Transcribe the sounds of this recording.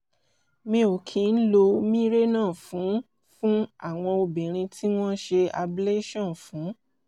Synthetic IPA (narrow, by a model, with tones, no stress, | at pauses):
mĩ˧˦o˨kʰĩ˧˦n̩˦lo˧mĩ˦ɾe˦nãː˦˨fũ˨˦ | fũ˦a˦˨w̃ɔ̃˧o˧bĩ˨ɾ̃ĩ˧tʰi˦w̃ɔ̃˦ʃe˧a˧ble˦ʃɔ̃˦˨n˨fũ˨˦